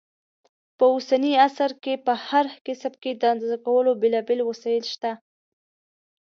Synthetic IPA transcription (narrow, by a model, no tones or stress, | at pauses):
pəusaniasaɾkepəhaɾkɪsmked̪ənzakawəlobelɑbelwasɑjəlʃt̪a